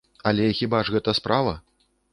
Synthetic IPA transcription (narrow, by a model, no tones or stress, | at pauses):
ɐlʲɛxʲibaʐɣɛt̪ɐspɾavɐ